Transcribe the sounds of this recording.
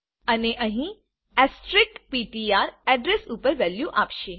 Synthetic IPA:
əneʔəɦĩ | ɛsʈɾɪk̚piʈiaɾɛɖɾesupəɾʋɛljuʔapʃe

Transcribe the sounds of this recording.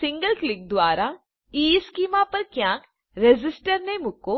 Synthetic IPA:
sɪ̃ŋɡəlklɪk̚d̪waːɾa | iːskiːmaːpɐɾkjãːk | ɾed͡ʒɪsʈəɾnemʊkːo

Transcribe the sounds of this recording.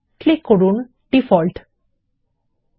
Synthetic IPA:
klikːoɹun | ɖifɔlʈ

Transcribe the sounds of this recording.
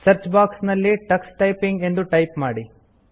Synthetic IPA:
sɐɾt͡ʃbaːksnɐlːiʈɐksʈɐjpiŋɡe̞nd̪uʈɐjpmaːɽi

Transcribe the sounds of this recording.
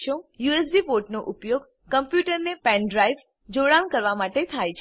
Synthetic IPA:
ʃõjues̬ɖipoɾʈnoʔʊpjoɡ | kəmpjuʈəɾnepɛ̃nɖɾaiʋ | d͡ʒoɽañkəɾʋamaʈet̪ʰajt͡ʃʰ

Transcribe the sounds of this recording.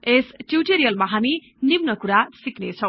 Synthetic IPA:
esʈjuʈeɾijʌlmaɦami | nimnʌkuɾasiknet͡sʰʌw̃

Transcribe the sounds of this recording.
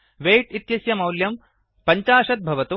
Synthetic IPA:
ʋeːʈit̪jɐsjɐmɐwljɐm | pɐɲt͡ʃaːʃɐt̪̚bʱɐʋɐt̪u

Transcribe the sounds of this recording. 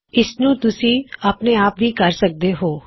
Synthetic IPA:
ɪsnũːt̪ʊsĩːaːpneːaːpʋiːkəɾsək̚d̪eːɦoː

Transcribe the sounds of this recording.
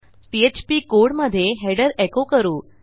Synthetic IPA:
piet͡ɕpiːkoɽməd̪ʱːjeɦeɽəɾekokəɾuː

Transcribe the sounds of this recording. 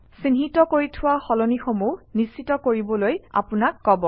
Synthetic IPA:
sinɦitɔkoɹitʰʊwaxɔlonixomunisitɔkoɹibɔloja̰pʊnakːɔbɔ

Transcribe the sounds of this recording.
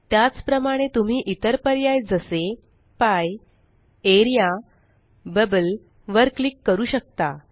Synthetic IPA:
t̪jat͡spɾəmaɽ̃et̪um̤iːʔit̪əɾpəɾjajd͡zəse | paj | eɾija | bəbəl | ʋəɾklikːəɾuːɕək̚t̪a

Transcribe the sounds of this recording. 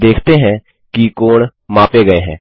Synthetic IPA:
d̪eːkʰt̪eɦɛ̃ː | kikoːɳ | mãːpeɡəeɦɛ̃ː

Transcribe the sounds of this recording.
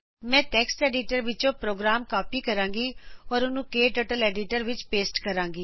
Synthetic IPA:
mɛ̃ːʈɛːksʈɛːɖiʈəɾʋɪt͡ʃõːpɾoːɡɾaːmkaːpiːkəɾãːŋɡiːɔːɾʊnũːkeːʈəːʈəlɛːɖɪʈəɾʋɪt͡ʃpeːsʈkəɾãːŋɡiː

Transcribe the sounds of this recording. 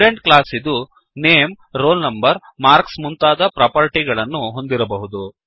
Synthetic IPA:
ɾeɳʈklaːsid̪u | neːm | ɾo̞ːlnɐmbɐɾ | maːɾksmunt̪aːd̪ɐpɾɐːpɐɾʈiɡɐɭɐnːuɦo̞nd̪iɾɐbɐɦud̪u

